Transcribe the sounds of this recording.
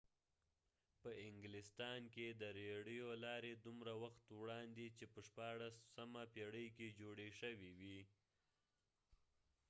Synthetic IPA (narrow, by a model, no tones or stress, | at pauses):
pəɪŋɡlɪst̪ɑnked̪əɾeɽijolɑɾed̪umɾawaxt̪wɽɑnd̪it͡ʃepəʂpɑɽasamapeɽəjked͡ʒoɽeʃəwiwi